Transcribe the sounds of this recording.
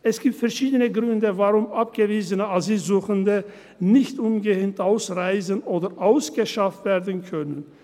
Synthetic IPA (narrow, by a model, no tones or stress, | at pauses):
ʔɛsɡ̥iːp̚tfɛɐʃiːdənəɡʁʏndəvaʁʊmʔap̚ɡ̥əviːzənəaziːlzuːxəndə | nɪçtʔʊnɡəhɪntʔaʊsʁaɪzənʔoːdɐʔaʊsɡ̥əʃaftv̥eːɐdn̩kʰœnən